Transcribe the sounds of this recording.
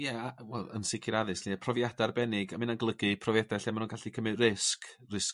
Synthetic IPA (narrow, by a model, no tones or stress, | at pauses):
jɛawɛlˠə̰nsɪkʰɪɾaðɨsniapʰrɔvjadarbɛnɪɡamɪnanɡlˠəɡɨpʰrɔvjɛdaɬɛamanuːnɡaɬikʰəmɨrɪsk | rɪs